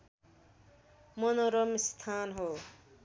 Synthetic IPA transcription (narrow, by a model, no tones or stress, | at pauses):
mʌnoɾʌmist̪ʰanɦo